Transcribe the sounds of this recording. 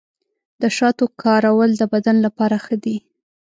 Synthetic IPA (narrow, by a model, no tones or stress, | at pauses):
d̪̥əʃɑt̪okʰɑɾawəld̪əbad̪anlapɑɾaxəd̪i